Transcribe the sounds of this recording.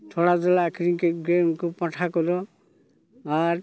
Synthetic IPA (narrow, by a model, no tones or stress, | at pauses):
tʰɔɽazɔlakɾiŋkeɡemkɔpãʈʰakɔlɔ | aɾ